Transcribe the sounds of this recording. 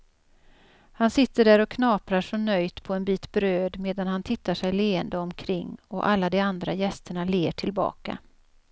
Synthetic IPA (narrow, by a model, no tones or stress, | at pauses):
hansɪt̪ːəɖæːɾɔkʰnɑːpɾaʂɔnœjt̪pʰɔɛnbiːt̪bɾøːd̪meːd̪anhant̪ʰɪt̪ːaʂɛjleːənd̪əɔmkʰɾɪŋːɔʔalːad̪ɛand̪ɾajɛst̪əɳaleːʈʰɪlbɑ̰ːka̰